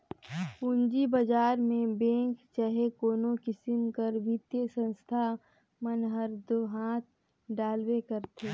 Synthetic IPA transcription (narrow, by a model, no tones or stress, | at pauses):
ʊnd͡ʒibəd͡ʒaːɾmẽbẽːŋkt͡ʃəɦekoːnokɪsɪmkəɾʋɪt̪jəsə̃nst̪ʰa | mənɦəɾd̪oɦãːt̪̚ʰ | ɖaːlwekəɾt̪ʰeː